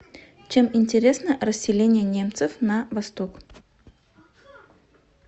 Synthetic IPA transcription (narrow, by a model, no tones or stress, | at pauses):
t͡ɕe̞mɪnʲtʲɪɾʲe̞snərəsʲːɪlʲenʲɪjənʲe̞mt̪sɨfnɐvɐst̪ok